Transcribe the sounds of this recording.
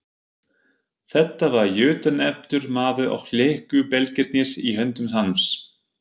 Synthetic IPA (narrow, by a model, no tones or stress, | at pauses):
θɛht̪ːavaɾjʏːt̪anɛp̚t̪ʏɾmaːðʏʔa̰wfleːhkʏpɛlcɪɾt̪nɪsiɦœnt̪ʏmsanfs